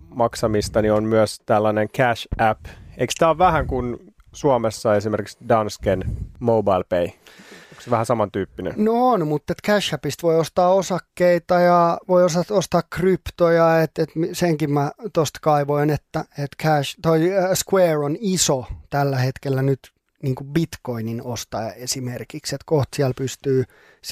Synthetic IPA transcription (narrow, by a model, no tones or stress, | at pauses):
mɑksɑmist̪ɑnionmyøst̪ælːɑneŋkʰæʃæpḛikst̪æːoʋʋæhæŋkun | suɑmesːɑesimerkiksdɑnskenmoubɑilpeiokseʋæhæsɑmɑnt̪yːpːinḛnnonmut̪ːet̪kæʃæpist̪ʋoiost̪ɑːosɑkːeit̪ɑjɑʋoiosɑt̪ost̪ɑːkkrypt̪ojɑet̪et̪miseŋkimmæt̪ost̪kɑiʋoinet̪ːæet̪kʰæʃt̪oiskweːronisot̪ælːæhet̪kelːænyt̪ | niːŋkubit̪koininost̪ɑesimerkikset̪koht̪siælpyst̪yː